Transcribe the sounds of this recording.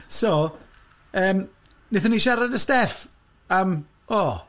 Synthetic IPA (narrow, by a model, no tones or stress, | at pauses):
so | əːm | nɪθəniʃaɾadəstɛf | am | ɔ